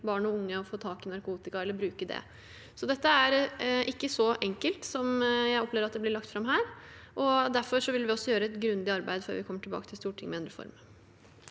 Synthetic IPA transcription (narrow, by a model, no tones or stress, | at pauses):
bɑːɳɔʊŋːəɔfoːt̪ʰɑːkɪnɑɾkuːt̪ɪkɑɛlːəɾbɾʉːkəd̪ɛ̰ | sɔd̪ɛt̪ːəæɾʔɪkːəsɔʔɛŋkəlt̪sɔmjæɪɔpleːʋəɾɑt̪̚d̪ɛblɪɭɑkt̪fɾɑmɦæːɾʔɔd̪æɾfɔʂɔʋɪlʋɪɔsːɔjøːɾəɛt̪ɡɾʉnd̪ɪɑɾbæɪd̪fø̰ːɾʋɪkʰɔmːəʈʰɪlbɑ̰ːkət̪ʰɪlst̪uːʈʰɪ̰ŋːmɛɑnd̪ɾəfɔ̰ɾm